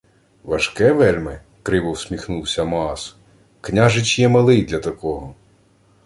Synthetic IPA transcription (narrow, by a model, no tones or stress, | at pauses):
ʋɐʃkɛʋɛlʲmɪ | kɾɪʋɔwsʲmʲixnuwsʲɐmɔɑs | knʲaʒɪt͡ʃjɛmɐlˠɪjd̪lʲɐt̪ɐkɔɦɔ